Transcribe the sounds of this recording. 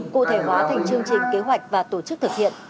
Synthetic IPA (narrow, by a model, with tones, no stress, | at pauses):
kṵ˧˨t̪ʰe˧˩ɦwaː˨˦t̪ʰa˨˩jŋ̟t͡ɕɨ˧əŋt͡ɕï˨˩ŋ̟ke˨˦ɦwa˨˩jk̟̚vaː˨˩t̪o˧˩t͡ɕɨ˦˥k̚t̪ʰɨ˨˩k̚hḭ˧˨ənʔ